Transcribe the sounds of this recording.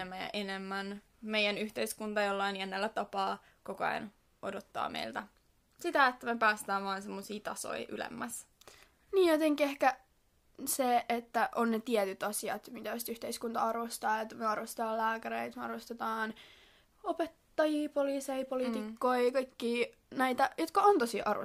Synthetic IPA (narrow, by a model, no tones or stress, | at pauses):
emːæjɑ̰ʔenemːæn | meijænyht̪eiskunt̪ɑjolːɑinienːelːæt̪ɑpɑː | kokoɑ̰n | odot̪ːɑ̰ːmḛilt̪æ | sit̪æet̪ːæmepæːst̪æːʋʋɑːnsemːosiːt̪ɑso̰iʔy̰lḛmːæs | niːjjot̪eŋkiehkæ | seet̪ːæʔonnet̪iɛt̪yt̪ɑsiɑ̰t̪mit̪æoist̪yht̪eiskunt̪ɑɑrʋost̪ɑːet̪ːmeɑrʋost̪et̪ɑːlæːkæɾḛit̪meɑrʋost̪et̪ɑːn | opet̪ːɑjiːpoliːseipolit̪ikːoikɑikːiː | næit̪æjot̪kɑont̪osiːʔɑro̰